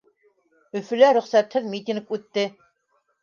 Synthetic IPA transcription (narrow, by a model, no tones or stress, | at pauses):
ɵ̆fɵ̆læɾɵ̆χsæt̪hɘðmit̪ʲiŋkʉt̪ːɘ